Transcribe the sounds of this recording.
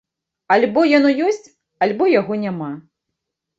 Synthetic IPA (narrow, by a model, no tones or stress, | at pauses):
alʲbɔjɔnujɔsʲt͡sʲ | ɐlʲbɔjaɣɔnʲama